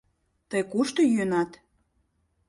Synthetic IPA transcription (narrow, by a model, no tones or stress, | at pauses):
t̪əjkuʃt̪ojønɑt̪